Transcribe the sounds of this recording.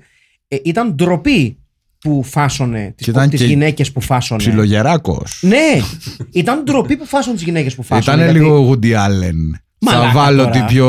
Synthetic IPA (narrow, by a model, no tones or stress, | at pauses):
it̪ɐnd̪ɾo̞pi | pufɐsone̞t̪isit̪ɐnt̪izʝine̞ce̞spufɐsonsesiloʝeɾɐko̞̰sneit̪ɐnd̪ɾo̞pipufɐsont̪izʝinece̞spufɐist̪ɐnneɐliɣoɣud̪iɐlen | mɐɐvɐloipo